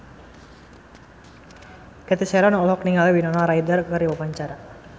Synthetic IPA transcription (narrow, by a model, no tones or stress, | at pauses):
kɛt̪isɛɾɔnɔlɔkniŋaliwinɔnaɾajdarkəɾiwapaɲt͡ʃaɾa